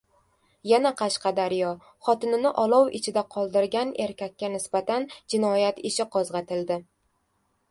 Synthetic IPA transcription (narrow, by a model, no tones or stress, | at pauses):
janaqʰɑʃqɑd̪aɾjɒ | χɒt̪ɪnɪnɪʔɒlˠɒwɪt͡ʃʰɪd̪aqʰɒlˠd̪ɪɾɡʲanʔe̞ɾkʲakʲːanɪsbat̪and͡ʒɪnɒjat̪ɪʃɪqʰɒzʁɑt̪ʰɪlˠd̪ɪ